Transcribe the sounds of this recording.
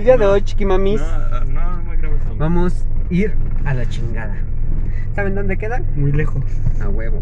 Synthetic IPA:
ðiaðeot͡ʃi̥kimamis | bamosiɾalat͡ʃiŋɡaða | saβend̪ond̪ekeðanmujlexoa̰weβo

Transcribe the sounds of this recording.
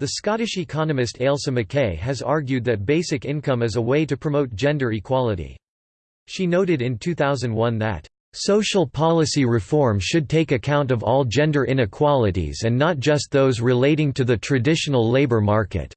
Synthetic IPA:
ðɨskɑɾɨʃɨkʰɑnɨmɨstʰeɪlˠsɨ̃mɨkʰeɪɨzɑɹɡjʉd̪̚ðɨt̚b̥eɪsɨkɪ̃nkʌ̃mɨzəweɪɾɨpʰɹ̥ɨmoʊt̚d̥ʒ̥ɛ̃ndə˞ikʰw̥ɑlˠəɾḭ | ʃinoʊɾɨɾɨ̃ntʰʉθaʊzɨ̃n̩d̚wʌ̃nðɨ̰t | soʊʃl̩ˠpʰɑlˠəsiɹɨfɔɹmʃɨd̚tʰeɪkɨkʰãʊ̃ntʌvɔlˠd͡ʒɛ̃ndə˞ʔɪ̃ñɨkʰw̥ɑlˠəɾḭzɨ̃nːət̚d̥ʒ̥ʌst̪̚ðoʊzɹɨleɪɾɪ̃ŋtʰɨðɨtʰɹ̥ɨdɪʃn̩l̩ˠleɪbə˞mɑɹkɨ̰t̚

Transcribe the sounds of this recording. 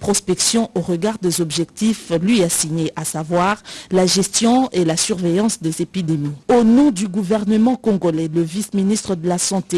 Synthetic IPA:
pχɔspɛksjɔ̃ʔoʁəɡaʁd̪ezɔbʒɛkt̪iflɥiasiɲeʔasavwaːʁlaʒɛst̪jɔ̃elasyʁvejɑ̃sd̪ezepid̪emionɔ̃d̪yɡuvɛʁnəmɑ̃kɔ̃ɡolɛləvisminist̪χəd̪əlasɑ̃t̪e

